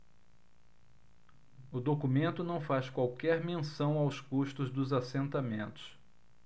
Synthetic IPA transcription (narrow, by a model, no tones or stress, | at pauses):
ʊd̪okumẽnt̪ʊnɐ̃w̃faskwawkɛɾmẽsɐ̃w̃awskuʃt̪ʊzd̪ʊzasẽnt̪amẽnt̪ʊ̥s